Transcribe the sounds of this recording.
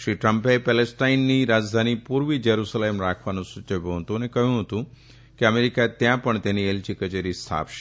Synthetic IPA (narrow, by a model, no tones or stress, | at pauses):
ʃɾiʈɾəmpepɛlesʈainːiɾad͡ʒd̪ʱanipuɾʋid͡ʒəɾusalemɾakʰʋanũsʊt͡ʃəʋjũɦət̪ũənekəɦjũɦət̪ũ | keəmeɾikat̪jãpəɳt̪enielt͡ʃikət͡ʃeɾist̪ʰa̰pʃ